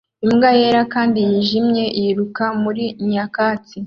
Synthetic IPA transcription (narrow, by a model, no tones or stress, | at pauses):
imɡajeːɾakaːndijiʒimɲe̞ʔiɾukamuɾiɲakaːt͡si